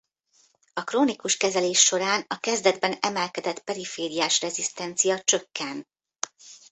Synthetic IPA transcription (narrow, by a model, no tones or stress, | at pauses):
ɒkroːnikuʃkɛzɛleːʃːo̞ɾaːnɒkɛzd̪ɛd̪bɛnɛmɛlkɛd̪ɛt̪pɛɾifeːɾijaːʃrɛzist̪ɛnt̪sijɒt͡ʃøkːɛnt̪